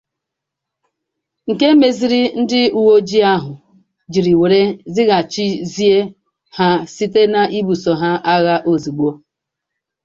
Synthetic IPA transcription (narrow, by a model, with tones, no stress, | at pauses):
ŋ̩˨ke˦me˨zi˨ɾi˦n̩˦dɪ˦u˨wo˦d͡ʒi˦a˦ɦʊ˨ | d͡ʒi˨ɾi˨we˨ɾe˦zɪ˦ɣa˨t͡ʃi˦zi˦e˦ | ha˦si˦te˦na˨ʔi˦bu˨sɔ˨ɦa˦ʔa˦ɣa˦ʔo˨zi˨ɡ͡bo˦